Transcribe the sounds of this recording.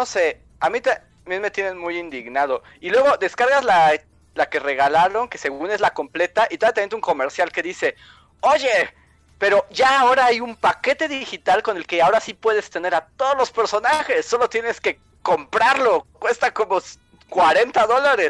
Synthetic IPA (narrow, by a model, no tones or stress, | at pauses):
no̞se̞ | amĩt̪a | mjenme̞t̪jene̞nmujind̪iɣnað̞o̞ | ilwe̞ɣo̞ðe̞skaɾɣazla | lake̞re̞ɣalaɾo̞ŋke̞se̞ɣune̞zlako̞mple̞t̪aʔit̪oat̪emnt̪uŋko̞me̞ɾsjalke̞ðise̞ | o̞ʝe̞ | pe̞ɾo̞ʝaːo̞ɾaajumpake̞t̪e̞ðixit̪alko̞ne̞lke̞ao̞ɾasipwe̞ðe̞st̪e̞ne̞ɾat̪o̞ðozlo̞spe̞ɾso̞naxe̞sːo̞lo̞t̪je̞ne̞ske̞ | ko̞mpɾaɾlo̞kwe̞st̪ako̞mo | kwaɾe̞nt̪aðo̞laɾes